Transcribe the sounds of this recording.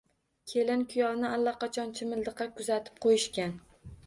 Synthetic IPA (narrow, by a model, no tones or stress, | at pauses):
kʲʰe̞lɪnkʰʊjɒnɪalːaqɑt͡ʃʰɒnt͡ʃʰɪmɪld̪ɨqʰɑkʰʊzat̪ʰɪ̥p̚qʰojɪʃkʲan